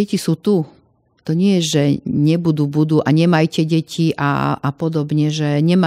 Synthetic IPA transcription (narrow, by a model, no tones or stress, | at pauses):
ɛcisuːt̪u | t̪ɔɲɪɛjɛʒɛɲɛbud̪uːbud̪uːʔaɲɛmajcɛɟɛcʰiʔa̰apɔd̪ɔbɲɛʒɛɲɛma